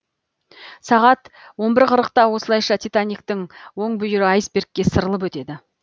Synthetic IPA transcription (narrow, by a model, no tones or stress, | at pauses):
sɑʁɑt̪wo̞mbɪɾqʰəɾəqt̪ɑwo̞səlˠɑjʃɑt̪ʲijt̪anik̚t̪əŋwo̞ɴbʏjɪɾɪɑjsbe̞ɾkʲːe̞səɾəlˠəp̬wɵt̪e̞d̪ɪ